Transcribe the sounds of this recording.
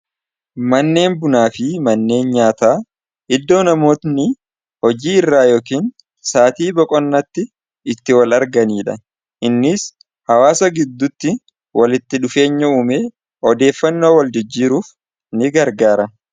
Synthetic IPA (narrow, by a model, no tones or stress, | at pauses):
mɐnːe̞ːnbʊnaːfɪmɐnːe̞ːnɲaːt̪aː | ʔɪd̪ːo̞ːnɐmo̞ːt̪nɪ | hɔd͡ʒiːɪrːaːjoːkiːn | saːt̪iːbɔkʼɔnːɐt̪ːɪ | ɪt̪ːɪwɐlɐɾɡɐniːᶑɐ̰ | ʔɪnːɪs | hɐwaːsɐɡɪd̪ːʊt̪ːɪ | wɐlɪt̪ːɪᶑʊfe̞ːɲːɐuːmeː | ɔd̪e̞ːfːɐnːo̞ːwɐld͡ʒɪd͡ʒːiːɾuːf | nɪɡɐɾɡaːɾɐ